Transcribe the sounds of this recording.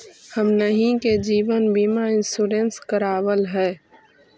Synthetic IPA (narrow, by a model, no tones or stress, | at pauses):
həmnəɦĩked͡ʒiːʋənbiːmaɪ̃nsuːɾẽːnskəɾaːwəlɦɛː